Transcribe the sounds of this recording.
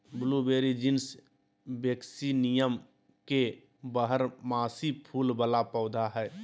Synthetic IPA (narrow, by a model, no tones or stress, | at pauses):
blubeːɾid͡ʒɪns | beksinijəm | ke | bəɦəɾmaːsipʰuːlbəlapɔːd̪ʱaɦɛː